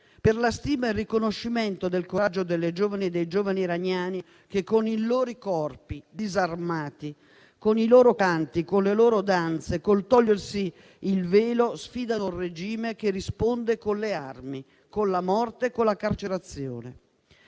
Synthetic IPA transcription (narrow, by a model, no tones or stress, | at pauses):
perlast̪iːmaerːikonoʃːimɛnt̪od̪elkoɾad͡ʒːod̪elːed͡ʒoːvanid̪ejd͡ʒoːvaniɾaɲaːni | kekːoniloːɾikɔrpid̪izarmaːt̪i | koniloːɾokant̪ikonleloːɾod̪ant̪sekolt̪ɔʎːersiː | lveːlosfiːd̪anured͡ʒiːmekerispond̪ekonlea̰rmi | konlamɔrt̪ekːolːakart͡ʃeɾat̪sjo̰ːne